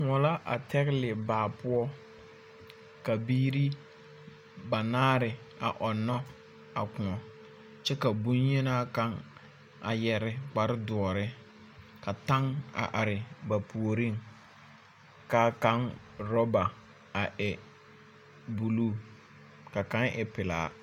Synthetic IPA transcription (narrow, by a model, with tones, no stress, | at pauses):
kʊ̃˨ŋɔ˨la˦ʔa̰˨tɛ˦ɣlɪ˨baː˨pʊ˦ɔ˦ | ka˨biː˦ɾi˦ | ba˨naː˦ɾɪ˨ | a̰˨ʔɔ˨nːɔ˦ | a̰˨kʊ̃˨ɔ˨ | t͡ʃɛ˦ka˨bu˦nɲe˦na˦ka˦ŋ | a̰˨jɛ˨ɾɪ˦k͡pa˨ɾɪ˦dʊ˨ɔ˨ɾɪ˦ | ka˨ta˦ŋa̰˨ʔa˨ɾɪ˨ba˨pʰu˨o˨ɾi˦˨ŋ | kaː˦ka˦n | ɾɔ˦ba˨ | a˨ʔɛ˨ | bu˨luː˦˨ | ka˨kã˦ŋʔɪ˨pɪ˨la̰ː˨˦˨